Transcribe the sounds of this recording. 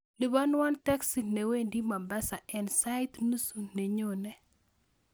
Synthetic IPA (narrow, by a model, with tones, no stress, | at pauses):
li˨ba˦n˦wa˦ntɛ˦ksi˨ne˨we˦ndi˦ma˨mbɛ˦sa˨ɛ˨nsa˦jt̪nu˦su˨ne˨ɲo˨nɛ˨